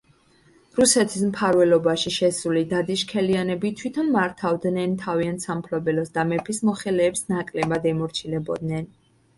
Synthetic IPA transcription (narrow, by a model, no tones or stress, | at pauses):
ɾusɛt̪ʰismpʰaɾvɛlɔbaʃiʃɛsulid̪ad̪iʃkʰɛlianɛbit̪ʰwit̪ʰɔnmaɾt̪ʰavd̪nɛnt̪ʰaviant̪sampʰlɔbɛlɔsd̪amɛpʰismɔχɛlɛːpsnakʼlɛbad̪ɛmɔɾt͡ʃʰilɛbɔ̰d̪nɛn